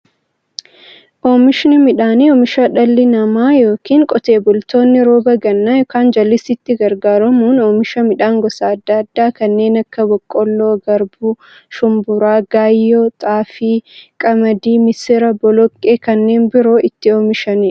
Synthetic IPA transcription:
ʔoːmɪʃnɪmɪᶑaːniɔːmɪʃɐᶑɐlːɪnɐmaːjo̞ːkiːŋkʼɔt̪e̞ːbʊlt̪o̞ːnːɪɾoːbɐɡɐnːaːjɔkaːnd͡ʒɐlːɪsɪt̪ːɪɡɐɾɡaːɾɐmuːnoːmɪʃɐmɪᶑaːŋɡɔsaːɐd̪ːɐɐd̪ːaːkɐnːe̞ːnɐkːɐbɔkʼːɔlːoːɡɐɾbu | ʃʊmbʊɾaːɡaːjːoːt̪ʼaːfiːkʼɐmɐd̪iːmɪsɪɾɐbɔlɔkʼːeːkɐnːe̞ːnbɪɾoːʔɪt̪ːɪoːmɪʃɐni

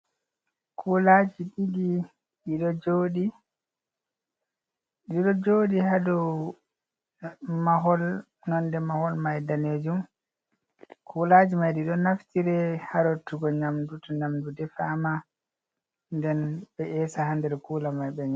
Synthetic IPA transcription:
kʰulad͡ʒiɗidi | ɗiɗɔd͡ʒodi | ɗiɗɔd͡ʒodihadɔ | maɦɔl | nɔndɛmahɔlmajdaned͡ʒum | kʰulad͡ʒimajdiɗɔnaftiɾɛhaɾɔtuɡɔɲamdutɔɲamdudɛfama | ndɛnɓɛʔɛːsahandɛɾkulamajɓɛɲ

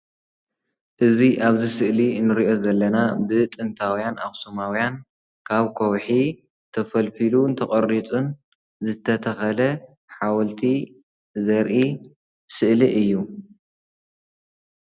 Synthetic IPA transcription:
ʔɨziʔaβzisɨʔlinɨɾiʔo̞zɐlːɐnabɨt̪ʼɨnt̪ʰawjanaxsumawjan | kʰaβkʰowħi | t̪ʰɐfɐlfiluɨnt̪ʰɐχʼɐɾːit͡sʼun | zɨt̪ʰːɐt̪ʰɐxɐlɐ | ħawɐlt̪ʰi | zɐɾʔi | sɨʔliʔɨjːu

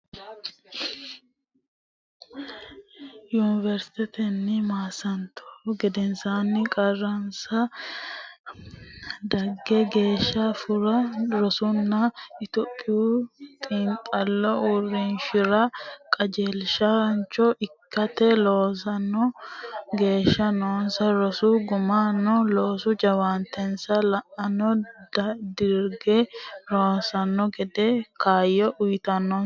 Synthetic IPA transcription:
juːnɪvɛɾst̪ɛt̪ɛnːɪmaːsɐnt̪ʰɔ̥ɡɛd̪ɛnsaːnːɪkʼɐrːɐnsɐ | d̪ɐɡːɛɡe̞ːʃːɐfʊɾɐɾɔsʊnːɐɪt̪ɔpʼːɪjut̪ʼɪŋkʼɐlːɔʊrɪnʃɪɾɐkʼɐd͡ʒelʃɐnt͡ʃːɔʔɪkːɐt̪ɛloːsɐnːɔ | ɡe̞ːʃːɐnoːnsɐɾɔsuɡʊmanːɔloːsʊd͡ʒɐwant̪ːɛnsɐlɐʔɐnɔdd̪ɪɾɡɛloːsɐnːɔɡɛd̪ɛkʰaːjːɔʔʊjt̪ɐnːɔ

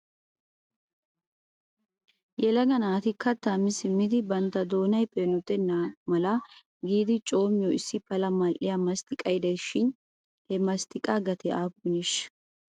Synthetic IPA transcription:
jɛlɐɡɐnaːt̪ɪkːɐt̪ːaːmːɪsɪmːɪd̪ɪbɐnt̪ːɐd̪o̞ːnɐjpʼeːnɔt̪ːɛnaːmɐlɐ | ɡiːd̪ɪt͡ʃʼo̞ːmɪjɔɪsːɪpɐlɐmɐlʔɪjamɐst̪ɪkʼɐjd̪ɐjʃɪn | hɛmɐst̪ɪkʼaɡɐt̪ɛʔaːbʊnɪʃ

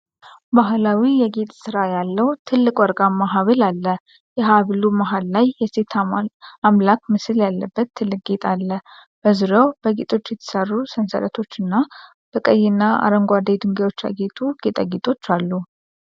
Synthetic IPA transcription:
baɦlawijɛɡe̞t̪ʼsɨɾajalːəwt̪ʰɨlːɨkʼwɔɾɡamaɦaβəlalːə | jɛɦaβlumaɦalːajjɛse̞t̪ʰamlak̚mɨsɨljalːəbːət̪ʰːɨlːɨk̚ʼɡet̪ʼalːə | b̥əzɨɾəwb̥əɡet̪ʼo̞t͡ʃːjɛt̪ʰə̥sərːusənsə̰lət̪ʰo̞t͡ʃːɨnːa | b̥əkʼəjːɪnːaa̰ɾəŋɡʷad̪ed̪ɨŋɡewo̞t͡ʃːa̰ɡet̪ʰʼuɡ̥et̪ʼa̰ɡet̪ʼo̞t͡ʃːalːu

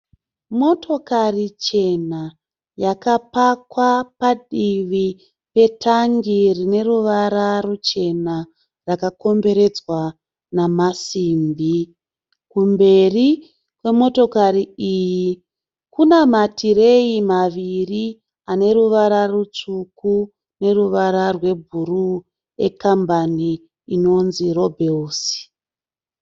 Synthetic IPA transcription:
mo̞to̞karit͡ʃe̞na | jakapakwapaɗiʋi | pe̞tʰaŋɡirine̞ruʋaɾarut͡ʃe̞na | rakako̞mbe̞ɾe̞d͡zwa | namasiːmbi | kumbe̞ri | kwe̞mo̞to̞kaɾiiːji | kunamatʰire̞imaʋiri | ane̞ruʋaɾarut͡ʂuku | ne̞ruʋaɾarwe̞bʱuru | e̞̰kambaniː | no̞nziro̞bʱelsi̥

